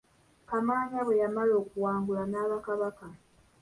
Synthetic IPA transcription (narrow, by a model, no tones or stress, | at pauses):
kamaːɲaβwe̞jamalo̞ːkuwaːŋɡulanaːβakaβaka